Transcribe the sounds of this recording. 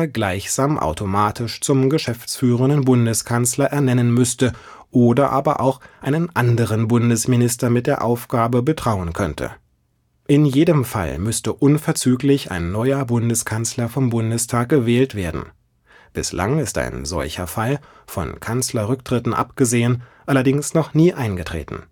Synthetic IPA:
ɐɡlaɪçz̥aːmʔa̰ʊtʰomaːtʰɪʃt͡sʊmɡəʃɛft͡sfyːʁ̞əndənbʊndəskʰanslɐʔɛɐnɛnənmʏstə | ʔoːdɐʔa̰ːbɐʔa̰ʊxʔaɪnənʔandəʁənbʊndəsmɪnɪstɐmɪt̚d̥eːɐʔaʊfɡ̥aːbəbətʁ̥aʊənkʰœntʰə̰ | ʔɪnjeːdəmfa̰lmʏstəʔʊnfɛɐt͡syːklɪça̰ɪnːɔʏɐbʊndəskʰanslɐfɔmbʊndəstʰaːk̚ɡ̥əvɛːltv̥eːɐdn̩ | b̥ɪsla̰ŋɪsta̰ɪnzɔ̰lçɐ̰fal | fɔ̰nkʰanslɐʁʏk̚tʁ̥ɪtn̩ʔa̰pɡ̥əzeːənʔalɐdɪŋsnɔχniːʔaɪnɡətʁ̥ḛːtn̩

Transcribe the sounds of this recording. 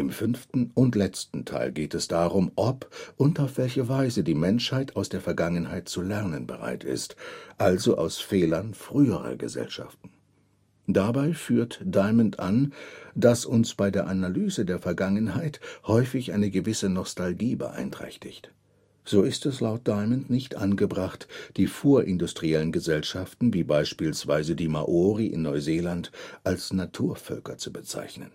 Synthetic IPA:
ʔɪmfʏnftn̩ʊntlɛt͡stn̩tʰa̰ɪlɡeːtɛsd̥aːʁʊmʔɔpʔʊntaʊfv̥ɛlçəvaɪzədiːmɛnʃhaɪtʰaʊsd̥eːɐfɛɐɡaŋənhaɪt̚t͡sulɛɐnənbə̰ʁa̰ɪtɪ̰stʔalzoʔa̰ʊsfɛːlɐnfʁ̥yːəʁɐ̰ɡə̰zɛ̰lʃa̰ftn̩ | d̥abaɪfyːɐtd̥aɪməntʔand̥asʔʊnsb̥aɪdeːɐʔanalyːzədeːɐfɛɐɡaŋənhaɪthɔʏfɪçʔaɪnəɡəvɪsənɔstalɡiːbə̰ʔa̰ɪntʁ̥ɛ̰çtɪçt | z̥oːɪstɛslaʊt̚d̥aɪməntnɪçtʔanɡəbʁaχtd̥iːfoːɐʔɪndʊstʁ̥iɛlənɡəzɛlʃaftn̩viːbaɪʃpiːlsv̥aɪzədiːma̰ʔoːʁiʔɪ̰nːɔʏzeːlantʔalsnatʰuːɐfœlkɐt͡subət͡sa̰ɪçnən

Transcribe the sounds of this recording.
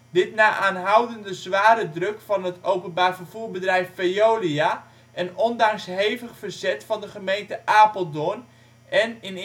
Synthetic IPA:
dɪtnaːʔaːnɦʌwdəndəzʋaːɾədrɵkfɑnɦətowpənbaːrvərv̥uːbədrɛjfːejowlia | ʔɛnɔndɑŋsɦejvəχfərzɛtfɑndəχəmejntəʔaːpəlˠdon | ɛnɪn

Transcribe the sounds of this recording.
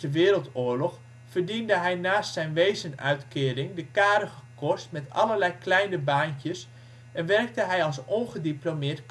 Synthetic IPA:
əʋɪːɾəlˠtʊːəɹlɔx | fərdindəɦɛjnaːstsɛjnʋejzənœ̰ɥtkɪːrɪŋdəkaːɾəɣəkɔstmɛtɑ̰lərlɛjklɛjnəbaːnkjəs | ʔɛnʋɛrk̚təɦɛjɑlˠsɔnχədiplomɪːrtk

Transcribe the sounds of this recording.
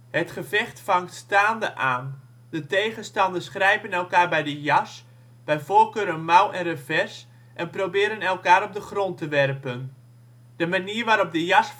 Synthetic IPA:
ɦətχəvɛχtfɑŋktstaːndəʔaːn | dətejχənstɑndərsχrɛjpənɛlˠkaːrbɛjdəjɑs | b̥ɛjfoːrkøːɾənmawɛnrəfɛs | ʔɛnprowbɪːɾənɛlˠkaːɾɔp̚dəχrɔntəʋɛrpən | d̥əmaniərʋaːɾɔp̚dəjɑs

